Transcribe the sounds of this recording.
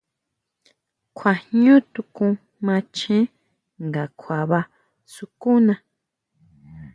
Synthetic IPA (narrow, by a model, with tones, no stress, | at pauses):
kʷʰa˨hɲũ˦t̪u˧kũ˧ | mã˧t͡ʃẽ˦ | ŋɡa˨kʰʷwa˨βa˧ | su˧ku˦nã˧